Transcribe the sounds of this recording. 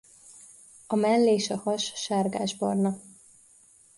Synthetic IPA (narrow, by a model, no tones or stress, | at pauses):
ɒmɛnlːeːʃɒhɒʃʃaːrɡa̰ːʒbɒ̰rnɒ